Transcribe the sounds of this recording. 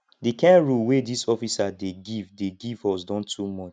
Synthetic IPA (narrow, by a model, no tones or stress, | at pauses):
dekɛ̃nɹulwedisɔfisadeɡivdeɡivɔsdɔ̃ntʰumɔt͡ʃ